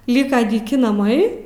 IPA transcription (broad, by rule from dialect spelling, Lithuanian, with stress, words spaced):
ˈlʲiːkɐ dʲiːˈkʲɪ nɐˈmɐɪ